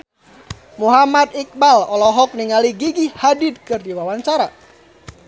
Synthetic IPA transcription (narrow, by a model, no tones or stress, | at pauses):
muɦamat̪̚ik̚balɔlɔɦɔk̚niŋaliɡiɡihadit̪̚kɨrdiwawaɲt͡ʃaɾa